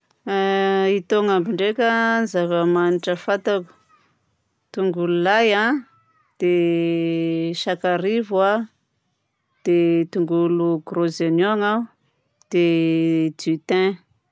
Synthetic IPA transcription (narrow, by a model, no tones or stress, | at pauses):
it̪oŋambiɳɖ͡ʐekʲənizavəmaniʈ͡ʂəfat̪aku̥ | t̪uŋɡululajã | d̪̥e | ʃakaɾiva | d̪̥et̪uŋɡuluɡrozenoaŋa | d̪̥ed̪yt̪ɛ̃